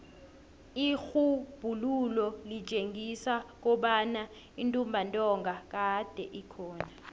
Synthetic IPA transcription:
ixub̥ʱululɔli̥t͡ʃʼeŋisak̬ɔɓana | intʼumbʱantʼɔŋɡak̬aɦd̥ʱɛ̰ʔikʰɔːna

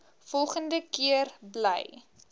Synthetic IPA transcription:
fɔlˠχəndəkiərblə̰j

